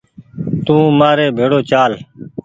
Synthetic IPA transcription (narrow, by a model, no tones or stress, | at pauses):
t̪ũːmaːɾeːbʱeːɽoːt͡ʃaːl